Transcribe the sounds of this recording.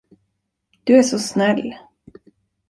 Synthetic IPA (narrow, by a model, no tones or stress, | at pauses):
d̪̥ɵæʂɔsnɛlː